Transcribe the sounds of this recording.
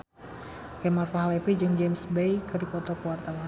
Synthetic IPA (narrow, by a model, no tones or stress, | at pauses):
kɛmarfaɦalɛpid͡ʒɨŋd͡ʒemsbejkɨrdipɔt̪ɔkəwart̪awa